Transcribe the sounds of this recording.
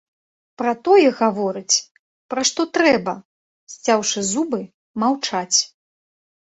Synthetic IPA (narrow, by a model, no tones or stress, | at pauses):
pɾɐt̪ɔjɛɣavɔɾɨt͡sʲ | pɾaʂt̪ɔt̪ɾɛbɐ | sʲt͡sʲawʂɨzubɨ | mawt͡ʂat͡sʲ